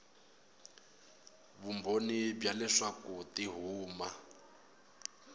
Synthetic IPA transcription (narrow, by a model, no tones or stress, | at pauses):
bumbʱonibjalɛʂakutiɦuːma